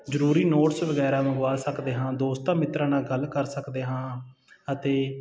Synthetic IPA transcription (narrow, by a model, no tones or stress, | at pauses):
d͡ʒəɾuːɾiːnoːʈsʋəɡɛːɾaːʋəŋɡʋaːlsəkd̪eːɦãːd̪oːst̪ãːmɪt̪ɾãːnaːɡəlkəɾsəkd̪eːɦãː | ət̪eː